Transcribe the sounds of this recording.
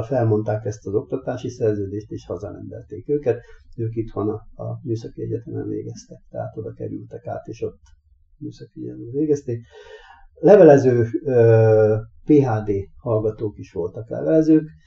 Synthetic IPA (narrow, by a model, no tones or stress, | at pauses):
fɛlmo̞nt̪aːkɛst̪ɒzo̞k̚t̪ɒt̪aːʃisɛrzøːd̪eːʃt̪eːʃhɒzɒnɛ̰mb̪ɛ̰lt̪eːkøːkɛt̪øːkit̪ʋonɒ̰ːmyːsɒkiɛɟɛt̪ɛmɛ̰nvḛːɡɛst̪ɛkt̪ɛɦa̰ːt̪od̪ɒkɛ̰ɾy̰lt̪ɛka̰ːt̪eːʃo̞t̪ː | myːsɒkiɛɟɛ̰ɛmɛveːɡɛst̪eːk | lɛvɛlɛzøː | peːɦaːd̪eːhɒlɡɒt̪oːkiʃʋolt̪ɒklɛ̰vɛlɛzøːk